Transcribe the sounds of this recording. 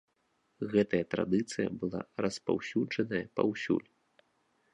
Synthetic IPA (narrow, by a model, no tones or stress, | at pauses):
ɣɛt̪ɐjɐt̪ɾa̰d̪ɨt̪sɨjɐ̰bɨlˠa̰rɐspa̰wsʲud͡ʐɐnɐjɐpa̰wsʲṵlʲ